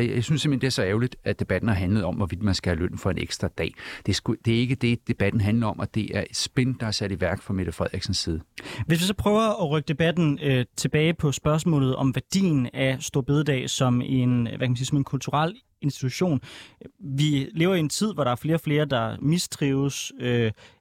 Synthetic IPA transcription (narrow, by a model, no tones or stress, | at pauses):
jaɪsynse̝m̥hend̥e̝æɐsɒ̽ɛʊlid̥æd̥e̝b̥æd̥n̩æɦænləð̩ˠɒ̽mʋɒʋid̥mænsɡ̥æhæløn̰fɒ̽e̝nḛɡ̥sd̥ʁɐd̥ɛ̰ːd̥e̝sɡ̥ud̥e̝æɐe̝ɡ̥əd̥e̝d̥e̝b̥æd̥n̩ɦænlɐɒ̽mʔɒd̥e̝ʔæɐe̝d̥sb̥end̥ɑ̈æɐsæɾ̥iʋæɐɡ̥fɑ̈me̝ɾ̥ɐfʁɛð̰ˠiɡ̥sn̩sːiːð̞ˠəʋesʋisɒpʰʁœːʊɐɒʁœɡ̥əd̥e̝b̥æd̥n̩øt͡sʰe̝b̥ɛːɪpʰɒ̽sb̥ɶɐs̬mɔ̰ːlð̩ˠɒ̽mʋæɐd̥ḭːnæsd̥o̝ɐb̥e̝ðˠd̥ɛ̰ːsɒ̽me̝nʋʔækæmnsiːsɒ̽me̝nkʰult͡sʰuʁal̰ | e̝nsd̥it͡sʰuɕo̝̰ːn | ʋile̝ːʊɐient͡sʰið̞̰ˠʋɒɾ̥ɑ̈æɐfle̝ːɐɒfle̝ːɐd̥ɑ̈misd̥ʰʁiːʊsø